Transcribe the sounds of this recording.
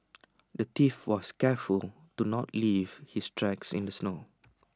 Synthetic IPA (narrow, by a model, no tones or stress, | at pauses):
dətifwɔskɛful | tunɔtliv̥histɹɛksɪ̰̃ndəsno